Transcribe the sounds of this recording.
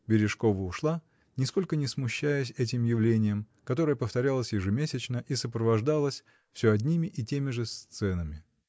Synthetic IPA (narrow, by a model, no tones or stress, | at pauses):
bʲɪɾʲɪʂko̞vəʊʂlˠa | nʲɪsko̞lʲkənʲɪsmʊɕːæjʊs̬ʲɛt̬ʲɪmjɪvlʲenʲɪjəm | kɐt̪o̞ɾəjəpəft̪ɐɾʲalˠəsʲjɪʐɨmʲesʲɪt͡ɕnəʔisəpɾəvɐʐd̪alˠəsʲ | fsʲoɐdʲnʲimʲɪʔɪtʲemʲɪʐɨst̪sɛnəmʲɪ